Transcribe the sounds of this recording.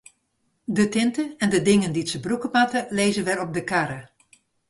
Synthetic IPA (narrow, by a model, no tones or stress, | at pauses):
dətɪntəɛndədɪŋənditsəbrukəmatəleːzənʋɛɾɔb̚dəkaɾə